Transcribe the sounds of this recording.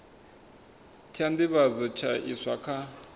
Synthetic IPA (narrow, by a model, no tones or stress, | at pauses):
tʰand̪iβazɛt͡ʃʰaʔḭsʷwakʰa